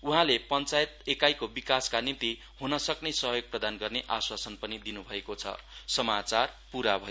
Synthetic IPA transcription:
uɦãlepʌnt͡sajet̪̚ekajkobikaskanint̪i | hunʌsʌknʌsʌɦjoɡ̚prʌd̪anɡʌrneʔaswasʌnpʌnid̪inubʱʌekot͡sʰʌ̰sʌmat͡sarpuɾabʱʌ

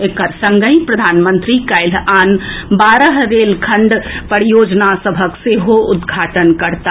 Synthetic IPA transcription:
ekəɾsəŋɡəĩpɾəd̪ʱanmə̃nt̪ɾikaɪlanbaɾəɦɾelkʰəɳɖpəɽijod͡ʒnasəbʱəkseɦoʔud̪ɡʱaʈənkəɾt̪a

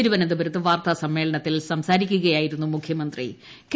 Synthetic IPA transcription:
ɾuʋɐnend̪ubɐɾɐt̪ːɨʋaːrt̪ɐsɐmːe̞ːɭɐɳɐt̪ːilsɐmsaːɾikʲːuɣɐjaːjiɾunːumukʰjɐmɐnd̪rḭ | k

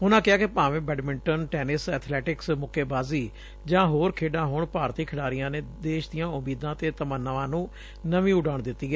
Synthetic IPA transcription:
ʊnãːkɪaːkɪpãːʋẽːbɛːɖmɪɳʈənʈɛːnɪsɛːt̪ʰlɛːʈɪksmʊkʰeːbaːziː | d͡ʒãːɦoːɾkʰeːɖãːɦoːɳpaːɾt̪iːkʰɪɽaːɾɪjãːneːd̪eːʃd̪ɪjãːʊmiːd̪ãːt̪eːt̪əmənːəʋãːnũː | nəʋĩːʊɖaːɳd̪ɪt̪ːiːɡɛː

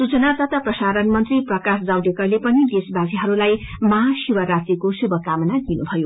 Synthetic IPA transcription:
sut͡sʌnat̪ʌt̪ʌprʌsaɾʌnmʌnt̪riprʌkasd͡zawd̪ekʌlepʌnid̪esbasiɦʌɾulajmʌɦasibʌɾat̪rikosubʱʌkamʌnad̪inubʱʌjo

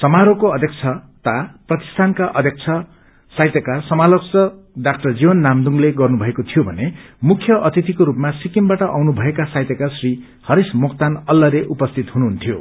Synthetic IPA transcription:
sʌmaɾokoʌd̪ʱjʌk̚t͡sʰʌt̪aprʌt̪i̥st̪ʰankaʔʌd̪ʱjek̚t͡sʰʌ | sajt̪ekarsʌmaloksʌ | ɖakʈʌrd͡zibʌnːamd̪uŋleɡʌrnubʱʌekot̪ʰijobʱʌnemukʰjʌʔʌt̪it̪ikoɾupmasikimbaʈʌʔawnubʱʌekasajt̪ekarsri | hʌɾismokt̪anʌlːʌɾeʔupʌst̪ʰit̪ɦunuɦunt̪ʰijo

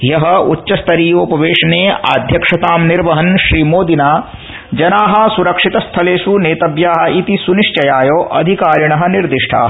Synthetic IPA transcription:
jɐɦɐutːʃːɐst̪ʰɐɾiːjoːpɐʋeːʂɐneːa̰ːd̪ʱjɐkʂɐt̪aːmniɾʋɐɦɐnʃɾiːmoːd̪inaː | d͡ʒɐnaːɦɐ̆suɾɐkʂit̪ɐst̪ʰɐleːʃuneːt̪ɐbjaːɦɐ̆it̪isuniʂt͡ʃɐjaːjoːʔɐ̰d̪ʱikaːɾjɐɳɐɦɐniɾd̪iʂʈʰa̰ːɦɐ

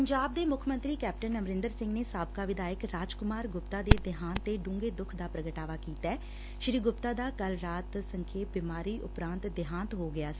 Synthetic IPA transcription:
əɲd͡ʒaːb̚d̪eːmʊkʰmə̃nt̪ɾiːkɛːp̚ʈənəmɾɪnd̪əɾsɪ̃ŋɡneːsaːbkaːʋɪd̪aːjəkɾaːd͡ʒkʊmaːɾɡʊpt̪aːd̪eːd̪ɪɦãːnt̪eːɖũːŋɡeːd̪ʊkʰd̪aːpɾəɡəʈaːʋaːkiːt̪aɛː | ʃɾiːɡʊpt̪aːd̪aːkəlɾaːt̪səŋkʰeːt̪̚bɪmaːɾiːʔʊpɾãːnt̪d̪ɪɦãːnt̪ɦoːɡɪaːsː

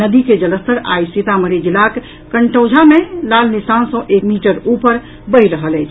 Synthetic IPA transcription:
nəd̪iked͡ʒələst̪ʰəɾa̰jsit̪aməɾid͡ʒilak | kəɳʈəwd͡ʒʱamelalnisansɔ̃ʔekmiʈəɾupəɾ | bəjɾəɦəlɛt͡ʃʰ

